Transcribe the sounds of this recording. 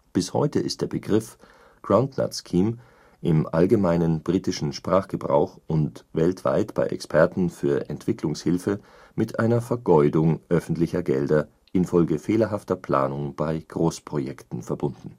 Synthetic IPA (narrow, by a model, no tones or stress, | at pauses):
b̥ɪshɔ̰ʏtəʔɪstd̥eːɐb̥əɡʁɪf | ɡ̥ʁaʊ̃ndna̰skʰiːm | ʔɪmʔalɡəmaɪnənbʁiːtɪʃn̩ʃpʁ̥aːχɡ̥əbʁa̰ʊxʔʊntvɛltv̥a̰ɪtb̥a̰ɪʔɛ̰kspʰɛɐtn̩fyːɐʔɛntv̥ɪklʊŋshɪlfə | mɪtʔa̰ɪnɐfɛɐɡɔʏdʊŋʔœfn̩tlɪçɐɡɛldɐ | ʔɪnfɔlɡəfeːlɐɦaftɐpl̥a̰ːnʊŋb̥aɪɡ̥ʁoːspʁ̥ojɛktn̩fɛɐbʊndn̩